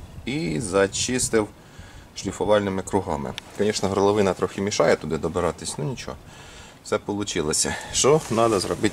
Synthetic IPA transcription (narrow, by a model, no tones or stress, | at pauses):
izɐt͡ʃist̪ɪw | ʃlʲifɔʋɑlʲnɪmɪkɾʊɦɑmɪ̰kɐnʲiʃnɔɦɾɔlˠɔʋɪnɐt̪ɾɔxʲɪmʲiʃɑjɛt̪ʊd̪ɪd̪ɔbɪɾɑt̪ɪsʲnʊnʲit͡ʃɔ̰̥ | sɛpɔlˠʊt͡ʃɪlˠɔsʲɐ̰ʃt͡ʃɔnɑd̪ɐzrɔbɪtʲ